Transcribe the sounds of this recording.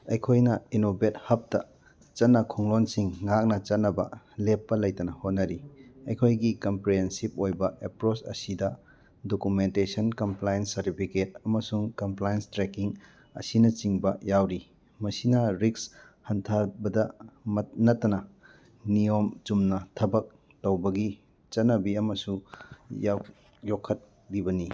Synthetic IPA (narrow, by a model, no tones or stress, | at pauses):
ɐjkʰojnɐinobet̚hɐp̚tɐ | t͡ʃɐtnːɐkʰoŋlonsiŋːak̚nɐt͡ʃɐt̚nɐbɐ̰ | lepːɐlɐjtɐnɐhot̚nɐɾiɐjkʰojɡikɐmpɾeensip̚ojbɐʔepɾot͡ʃɐ̰sidɐ | dokumentesɐnkɐmplajnsɐɾtipʰiket̚ɐmɐsuŋkɐmplajnstɾekiŋ | ɐ̰sinɐt͡ʃiŋbɐjawɾi | mɐsinɐɾiks | hɐntʰaɾbɐdɐmɐt̚nɐtːɐnɐ | nijomt͡ʃumnɐtʰɐbɐk̚ | towbɐɡi | t͡ʃɐnɐbiɐmɐsujaw | jokʰːɐt̚ | bibɐni